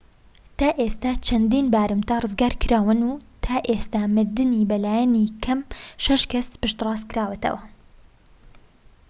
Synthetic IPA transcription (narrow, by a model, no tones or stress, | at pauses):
t̪aːʔest̪aːt͡ʃʰɐnd̪iːnbaːɾɨmt̪arɨzɡaːɾkʰɨɾaːwɨnuːt̪ʰaːʔeːst̪aːmɨɾd̪ɨnibɐlaːjɛnikʰɐmʃɐʃkɐspɨʃt̪rɑːskɨɾaːwɨt̪ʰɐ̰wɐ